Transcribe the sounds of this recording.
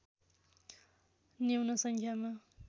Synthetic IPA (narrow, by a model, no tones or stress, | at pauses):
newnʌsʌŋkʰjama